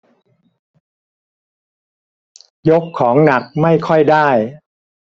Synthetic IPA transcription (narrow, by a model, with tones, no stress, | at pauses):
jo˦˥kʰːɔː˩˦ŋna˨˩k̚ma˥˩jkʰɔ˥˩jdaː˥˩j